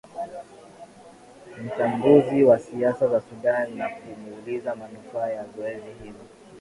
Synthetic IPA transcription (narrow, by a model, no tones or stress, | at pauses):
m̩t͡ʃambuziwasiasazasuɗanːakuniulizamanufaːjazɔɛzihizɔ